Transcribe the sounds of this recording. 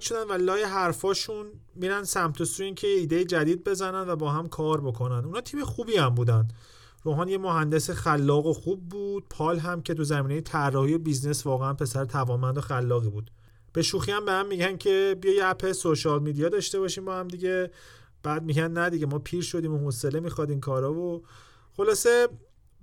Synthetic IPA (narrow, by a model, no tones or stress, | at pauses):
ʃod̪ænvælɒːjeɦæɾfɒːʃun | miːɾænd̪sæmt̪ʰosuincʰejeiːd̪e̞jid͡ʒæd̪iːd̪̚be̞zænænd̪væbɒːɦæmkʰɒːɾbo̞kʰo̞nænd̪unhɒːt̪ʰiːmexubiæmbuːd̪ænd̪ | ɾoːɦɒːnjemo̞ɦænd̪esexælːɒːɣoxuːb̚ːuːd̪̥̚pʰɒːlɦæmcʰe̞t̪ʰuzæmiːne̞jet̪ʰærːɒːhijobiznesvɒːɣeænpʰe̞sæɾet̪ʰævɒːnmænd̪o̞xælːɒːɣibuːd̪̥ | b̥e̞ʃuːxiæmbehæmːiɟæncʰe̞bijɒjæpʰesoʃɒlmid̪ijɒd̪ɒʃt̪e̞βɒʃiːmbɒhæmd̪iɟe̞ | b̥æd̪̚miːɟænnæd̪iɟemɒːpʰiːɾʃo̞d̪iːmohosele̞mixɒːd̪iːmkʰɒːɾɒːvo | χo̞lɒːse̞